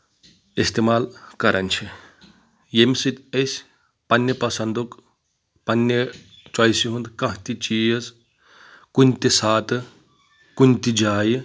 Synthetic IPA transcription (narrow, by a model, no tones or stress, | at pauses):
ist̪emaːlkɐɾʔɐ̰nʲt͡ʃʰi | jemsɨt̪ʲɐsʲ | pɐnʲːɐpɐsɐnd̪uk | pɐnːe | t͡ʃaːjsiɦund̪kɐ̃ɦt̪it͡ʃiɐz | kunʲt̪isaːt̪ɨ | kunʲt̪id͡ʒaːji